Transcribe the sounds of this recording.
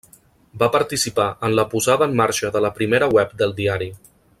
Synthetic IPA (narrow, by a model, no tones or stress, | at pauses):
bapəɾt̪isipaʔənləpuzaðəːmːaɾʃəðələpɾimeɾəwɛp̚d̪əlˠd̪iaɾi